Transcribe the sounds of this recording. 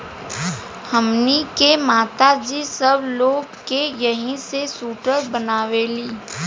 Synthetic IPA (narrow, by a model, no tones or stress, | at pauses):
həmnikemaːt̪ad͡ʒisɐbloːɡ̚kejəɦĩsesuːʈəɾbənaːʋeliː